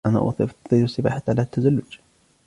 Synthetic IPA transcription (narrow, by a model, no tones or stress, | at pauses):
ʔana̰ʔɑ̰t̪ˤit̪ˤiɾʊsːɪba̰ːħat̪ːʕalat̪ʰːazalːʊd͡ʒ